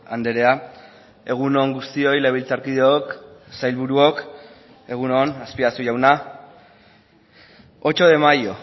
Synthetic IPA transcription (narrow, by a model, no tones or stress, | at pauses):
and̪e̞ɾe̞a | e̞ɣ̞uno̞ŋɡust̪io̞jleβ̞ilt͡saɾkiðeoksajlβuɾuok | e̞ɣ̞uno̞naspiasuʝawna | ot͡ʃo̞ðe̞majo̞